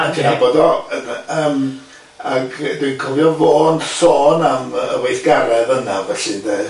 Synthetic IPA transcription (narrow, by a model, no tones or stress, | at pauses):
antʰinaibɔdɔənəːm | aɡdenkʰɔvjɔvoːndsɔːnamə̰wejθɡ̥aɾɛðənavɛɬɨðe